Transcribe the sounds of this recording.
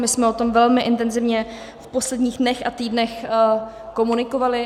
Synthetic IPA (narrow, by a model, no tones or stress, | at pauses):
mɪsmɛot̪o̞mvɛlmɪʔɪnt̪ɛnzɪvɲɛ | fpo̞slɛdɲiːɣdnɛxʔa̰t̪iːdnɛx | ko̞munɪko̞valɪ